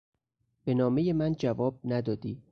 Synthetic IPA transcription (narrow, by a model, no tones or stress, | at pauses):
b̥e̞nɒːme̞jemænd͡ʒævɒːb̥̚næd̪ɒːd̪iː